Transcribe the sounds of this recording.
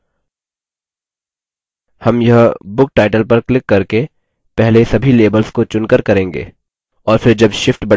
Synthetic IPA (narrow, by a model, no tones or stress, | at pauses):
hɐmjɐɦbʊk̚ʈaːɪʈəlpɐɾklɪkːɐɾke | pɛɦlesɐbʱileːbəlskot͡ʃʊnkəɾkɐɾẽːŋɡḛː | ɔːɾfɪɾd͡ʒɐbʃɪfʈbɐ